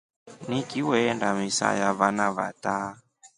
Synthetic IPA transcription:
nikiwɛndamisa̰javanava̰ta

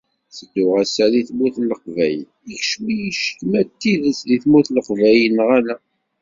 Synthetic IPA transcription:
səd̪ʊʁæsæliθmuθlːəqvæjə̰nikʃmijʃə̥kmæt̪ːiðəsliθmuθləqvæjənʁælæ

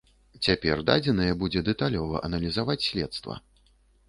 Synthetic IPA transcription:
t͡sʲapʲɛrd̪a̰d͡zʲɛnɐjɛbud͡zʲɛd̪ɛt̪alʲɔvɐ̰ʔɐnɐlʲizavat͡sʲsʲlʲɛt̪st̪vɐ̰

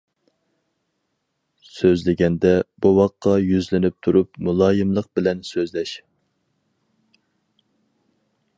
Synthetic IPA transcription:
søzlɪɡʲɛnd̪ɛbuwɑqʰːɑjyzlɪnɪp̚t̪ʰuɾupmulˠɑːjɨmlˠəq̚bɪlɛnsøzlɛʃ

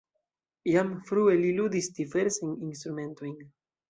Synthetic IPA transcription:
jamfɾuelilud̪ist̪ifeɾsiŋiŋst̪ɾumẽnt̪uiŋ

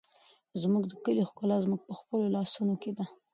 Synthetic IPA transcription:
zmuɡd̪əkəlixkʊlɑzmuɡ̚pəxpəlolɑsunoked̪a

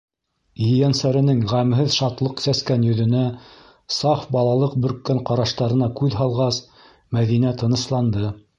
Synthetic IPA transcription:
jɘjænsæɾɘ̆nɘŋʁæmɦɘðʃɑt̪lˠɤqsæskænjɵ̆ðɵ̆næ | sɑfbɑlˠɑlˠɤq̚bɵ̆ɾkːæɴqɑɾɑʃt̪ɑɾɤ̆nɑkʉðɦɑlˠʁɑs | mæðinæt̪ɤ̆nɤ̆slˠɑnd̪ɤ

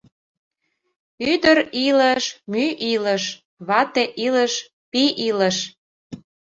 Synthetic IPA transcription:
yd̪əɾiləʃmyʔiləʃ | βɑt̪eʔiləʃ | piʔiləʃ

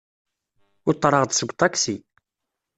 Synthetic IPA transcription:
ʊɾt̪ˤːɾˤɑʁd̪səɡʷt̪ˤɑksi

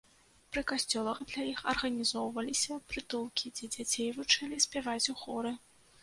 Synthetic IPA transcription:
pɾɨkasʲt͡sʲɔlˠɐɣd̪lʲajixɐrɣɐnʲizɔwvɐlʲisʲɐpɾɨt̪ulˠkʲid͡zʲɛd͡zʲat͡sʲejvɨt͡ʂalʲisʲpʲavat͡sʲuxɔɾɨ

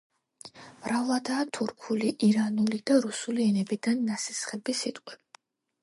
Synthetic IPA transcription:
mɾavlˠad̪aːt̪ʰuɾkʰuliʔiɾanulid̪̥aɾusuliɛnɛbid̪anːasisχɛbisit̪ʼqʼwi

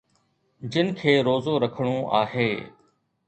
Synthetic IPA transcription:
d͡ʒɪnkʰeːɾoːzoːɾəkʰəɽ̃oːʔa̰ːɦeː

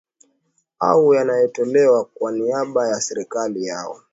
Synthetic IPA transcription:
a̰ujanajɛtɔlɛwakwaniaɓajasɛɾikalija̰ɔ

